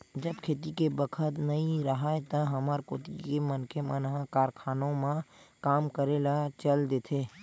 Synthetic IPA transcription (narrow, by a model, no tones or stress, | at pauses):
d͡ʒəbkʰeːt̪ikebəkʰət̪nɐɦĩɾəɦaet̪ɐɦəməɾkoːt̪ikemənkʰemənɦãkaːɾkʰaːnõmãkaːmkəɾelat͡ʃəld̪eːt̪ʰeː